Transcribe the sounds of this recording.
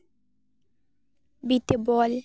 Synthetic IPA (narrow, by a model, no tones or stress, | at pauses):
bit̪ebɔl